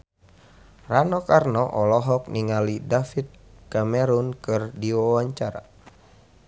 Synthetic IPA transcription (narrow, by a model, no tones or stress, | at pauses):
ranɔkarnɔʔɔlɔɦɔk̚niŋalidafit̪̚kamɛɾunkɨrdiwawaɲt͡ʃaɾa̰